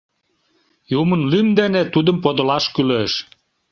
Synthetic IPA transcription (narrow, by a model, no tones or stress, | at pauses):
jumənlymd̪enet̪ud̪əmpod̪ə̆lɑʃkyløʃ